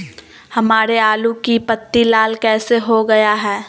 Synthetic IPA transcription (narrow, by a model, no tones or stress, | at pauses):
hɐmaːɾeaːlukipɐt̪ːilaːlkɛːseɦoɡɐjaɦɛː